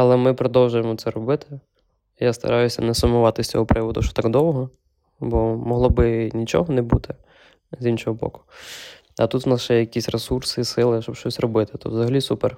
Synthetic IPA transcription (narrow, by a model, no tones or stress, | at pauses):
ɐlˠɛmɪpɾɔd̪ɔwʒʊjemɔt̪sɛɾɔbɪt̪ɪ | jast̪ɐ̰ɾʔɑjʊsʲɐ̰nɛsʊmʊʋɑt̪ɪsʲt͡sʲɔ̰ɦɔpɾɪʋɔd̪ʊʃɔ̥t̪ɑɡd̪ɔwɦɔ | bɔmɔɦlˠɔbɪnʲit͡ʃɔ̰ɦɔnɛbṵt̪ɪ | zinʃɔɦɔbɔ̰kʊ̥ | ɐt̪ut̪wnɑsʒ̥ɛjɐkʲisʲresursɪsɪlˠɪʃt͡ʃɔbʃt͡ʃɔsʲrɔbɪt̪ɪ̥t̪ṵt̪ʋzɐɦɐlʲisuper